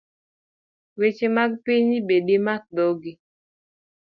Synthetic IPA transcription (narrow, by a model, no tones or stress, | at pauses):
wet͡ʃemakpiɲibeɗimak̚dɔɡi